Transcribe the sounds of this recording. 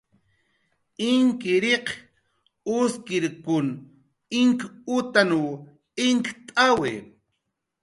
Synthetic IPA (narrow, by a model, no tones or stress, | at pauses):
ɪŋkɪɾeq | ʊskɪɾkʊn | ɪŋkʊt̪anu | ɪŋkt̪ʼawḛ